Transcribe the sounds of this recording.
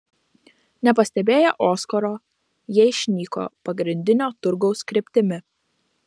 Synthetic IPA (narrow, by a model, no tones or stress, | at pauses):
nʲɛpɐsʲt̪ʲɛbʲeːjɛʔɔːskɔɾoː | jɛːɪʃʲnʲiːko̰ːpɐɡɾʲɪnʲd̪ʲɪnʲoːt̪ʊɾɡɒʊskɾʲɪpʲt̪ʲɪmʲɪ